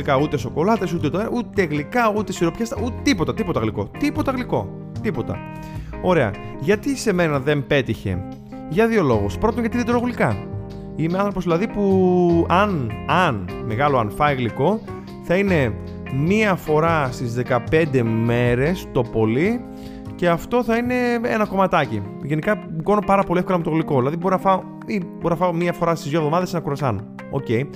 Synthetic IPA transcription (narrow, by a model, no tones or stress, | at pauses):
ikɐut̪e̞so̞ko̞lɐt̪esut̪et̪out̪eɣlikɐut̪e̞siɾo̞pçɐsɐut̪t̪ipo̞t̪ɐt̪ipo̞t̪ɐɣliko̞̰t̪ipo̞t̪ɐɣliko̞̰ | t̪ipo̞t̪ɐ̰ | o̞ɾe̞ɐ̰ | ʝɐt̪ise̞me̞nɐðe̞mpe̞t̪içe̞̰ | ʝɐðio̞lo̞ɣospɾo̞t̪onʝɐt̪iðed̪eɾoɣolikɐ | imeɐnθɾo̞poðilɐðipuɐnɐnmeɣɐloɐnfɐiɣliko̞ | θɐine̞ | miɐfo̞ɾɐst̪izðe̞kɐpe̞nd̪e̞me̞ɾe̞st̪o̞po̞li | ce̞ɐft̪o̞θɐine̞ḛnɐko̞mɐt̪ɐci | ʝenikɐɡo̞nopɐɾɐpo̞liefko̞lɐmet̪o̞ɣliko̞ðilɐðibo̞ɾinɐfɐo | iboɾinɐfɐomiɐfo̞ɾɐst̪izðjovðo̞mɐðesnɐkuɾɐsɐno | o̰ce̞j